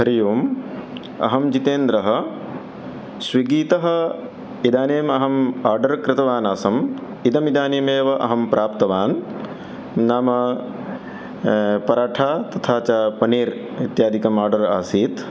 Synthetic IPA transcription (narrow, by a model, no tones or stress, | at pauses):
ɦɐɾijuːm | ɐ̰ɦɐmd͡ʒit̪eːnd̪ɾɐɦɐ̆ | swiɡiːt̪ɐɦɐ̆ | id̪aːneːmɐɦɐmaːɾɖɐɾkɾɪt̪ɐʋaːnaːsɐm | id̪ɐmid̪aːneːmeːʋɐʔɐ̰ɦɐmpɾʔaːpt̪ɐʋaːn | naːmɐ | pɐɾaːʈʰaːt̪ɐt̪ʰaːt͡ʃapɐniːɾ | it̪jaːd̪ʱikɐmaːɾɖɐɾaːsiːt̪